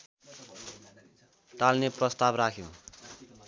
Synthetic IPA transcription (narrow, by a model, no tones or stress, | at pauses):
ʈalneprʌst̪abrakʰjõ̰